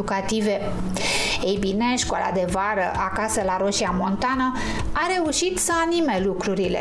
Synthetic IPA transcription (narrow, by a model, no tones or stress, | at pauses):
ukat̪ive̞ | ejbine̞ʃkoala̰d̪e̞vaɾə̰ʔakasəlaɾo̞ʃiamo̞nt̪anə | aɾe̞uʃit̪səanime̞lukɾuɾile̞̰